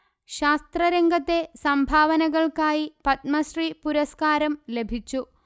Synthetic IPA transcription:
ɕaːst̪rɐɾeŋɡʱɐt̪ːe̞sɐmbʱaːʋɐnɐɣɐɭkaːjipɐt̪̚mɐɕripuɾɐskaːɾɐmle̞bʱit͡ɕːu

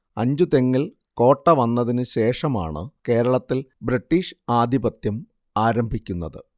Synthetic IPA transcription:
ɐɲd͡ʑut̪eŋːiɭ | ko̞ːʈːɐʋɐnːɐðinɨɕe̞ːʂɐma̰ːɳɨ̰ke̞ːɾɐɭɐt̪ːilbɾiʈːiːʂɨaːd̪ʱibɐt̪jɐm | aːɾɐmbʱikʲːunːɐðɨ

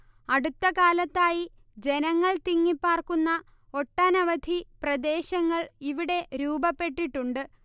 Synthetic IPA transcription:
ɐɽut̪ːɐkaːlɐt̪ːaːji | d͡ʑe̞nɐŋːɐɭt̪iŋːipːaːrkunːɐ | o̞ʈːanɐʋɐd̪ʱiprɐd̪e̞ːɕɐŋːɐɭiʋiɽe̞ɾuːbɐpːe̞ʈːiʈːuɳɖɨ

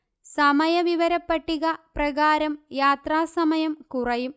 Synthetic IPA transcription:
sɐmɐjɐʋiʋɐɾɐpːɐʈːiɣɐprɐɣaːɾɐmjaːt̪raːsɐmɐjɐmkurɐjum

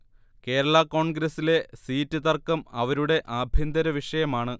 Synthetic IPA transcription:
ke̞ːɾɐɭako̞ːɳɡɾɐsile̞siːtːɨt̪ɐrkːɐmɐʋɐɾuɽe̞ʔɐbʱjind̪ɐɾɐʋiʂɐjɐmaːɳɨ

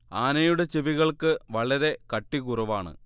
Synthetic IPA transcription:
aːnɐjuɽe̞t͡ɕeʋiɣɐɭkɨʋɐɭɐɾe̞kɐʈːikurɐʋaːɳɨ̰

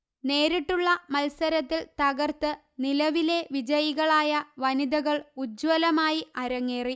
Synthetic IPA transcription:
ne̞ːɾiʈːuɭːɐmɐlsɐɾɐt̪ːilt̪ɐɣɐrt̪ɨ | nilɐʋile̞ʋid͡ʑɐjiɣɐɭaːjɐʋɐnid̪ɐɣɐɭud͡ʑwɐlɐmaːjiɐɾɐŋːeːri

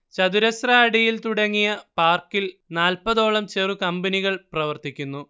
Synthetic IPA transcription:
t͡ɕɐðuɾɐsraːɽijilt̪uɽɐŋːijɐpaːrkːilnaːlpɐðo̞ːɭɐmt͡ɕerukɐmbɐniɣɐɭprɐʋɐrt̪ikʲːunːu

